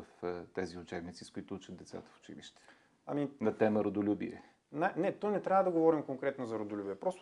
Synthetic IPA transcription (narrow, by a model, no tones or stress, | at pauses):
əft̪ɛziʊt͡ʃɛbnit̪siskʊit̪ʊut͡ʃətd̪d̪ɛt̪sa̰t̪ə̥fʊ̥t͡ʃḭlḭʃt̪ɛ̥ | ɐ̰minɐt̪ɛməɾod̪ʊlʲubḭɛ̰ | nɛnɛt̪ɔnɛt̪ɾʲavəd̪ɐɡovɔɾimkoŋkɾɛt̪nozɐɾod̪ʊlʲubiɛpɾɔst̪